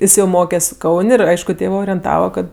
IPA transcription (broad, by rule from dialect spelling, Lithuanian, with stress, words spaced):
ˈɪs jɛʊ ˈmoːkʲɛsʲ ˈkɐʊnʲ ɪr ˈɐɪʃkʊ ˈtʲeːʋɜ oːrʲiɛnˈtɑːʋɐ ˈkɐt